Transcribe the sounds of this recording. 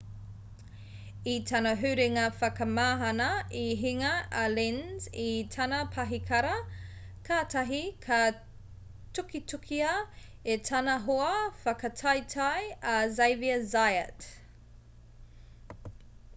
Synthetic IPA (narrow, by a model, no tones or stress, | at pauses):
itʰɐnɐɦʉɾeŋɐfɐkɐmaːɦɐnɐiɦiŋɐalinzitʰanɐpʰɐɦikʰɐɾɐ | kʰaːtɐɦikʰa | tukitukʰiɐ | etʰɐnɐɦoɐfɐkɐtʰajtʰajɐzejviɐzajə̰t